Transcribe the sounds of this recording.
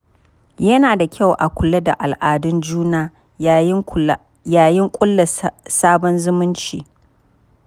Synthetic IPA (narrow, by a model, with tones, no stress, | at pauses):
jɐ˦naː˨da˨kʲʰa˦˨wʔa˨kʷʊ˨lɐ˦da˨ʔa˨lʔaː˨dʊ˦nd͡ʒuː˦naː˦ | jaː˨jɪ˦ŋkʷʼʊ˦lːɐ˨saː˦bɔ˦nzʊ˦mʊ˦nt͡ʃḭː˨